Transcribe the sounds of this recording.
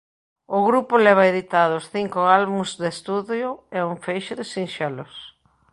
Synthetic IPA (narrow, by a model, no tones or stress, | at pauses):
ʊɣɾupʊlɛβ̞aeðit̪aðʊsθiŋkoalβũzðest̪uðjʊɛuɱfejʃʊðɪsinʃɛlʊs